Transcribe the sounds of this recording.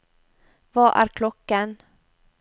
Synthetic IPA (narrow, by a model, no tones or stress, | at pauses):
vɑʔæ̰ːɾkʰlɔkːan